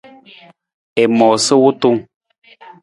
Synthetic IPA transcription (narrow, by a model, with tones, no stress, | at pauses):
e˨mɔː˨sə˦wo˦tu˦ŋ